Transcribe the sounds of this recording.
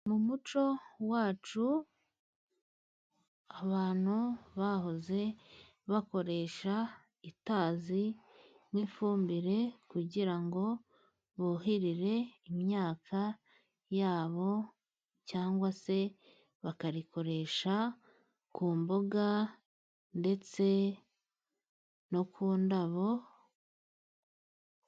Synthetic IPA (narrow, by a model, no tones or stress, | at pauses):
mumut͡ʃo̞waːt͡ʃu | aβaːn̥huβaɦoze̞ | βako̞ɾe̞ʃa | itaːzi | mwiːfuːmbiɾe̞kuɟiɾaŋɡo̞ | βoɦiɾiɾe̞imɲaːkʰa | jaːβo̞ | caːŋɡwase̞ | βakaɾiko̞ɾe̞ʃa | kuːmboɡa | nde̞t͡se̞ | no̞kʰuːndaβo̞